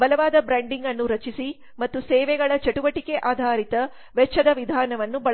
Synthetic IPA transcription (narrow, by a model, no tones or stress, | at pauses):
bɐlɐʋaːd̪ɐbɾaːɳɖiŋɡɐnːuɾɐt͡ʃisi | mɐt̪ːusɛːʋɛɡɐɭɐt͡ʃɐʈuʋɐʈikeʔaːd̪ʱaːɾit̪ɐ | ʋɛt͡ʃʰːɐd̪ɐʋid̪ʱaːnɐʋɐnːubɐ